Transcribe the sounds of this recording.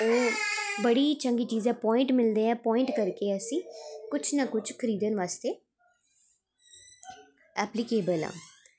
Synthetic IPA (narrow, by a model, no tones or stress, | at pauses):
oːbəɽiːt͡ʃəŋɡiːt͡ʃiːzɛ̃ːpɔːɪ̃ɳʈmɪld̪ẽːɛ̃ːpɔːɪ̃ɳʈkəɾkeːəsĩːkʊt͡ʃʰnakʊt͡ʃʰkʰəɾiːd̪ənʋaːst̪eː | ɛːplɪkeːbəlã̰ː